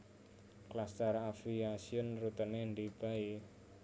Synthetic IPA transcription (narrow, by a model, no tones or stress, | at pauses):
klast̪əɾafiasiʊnrut̪əneɳd̪ib̥a̤i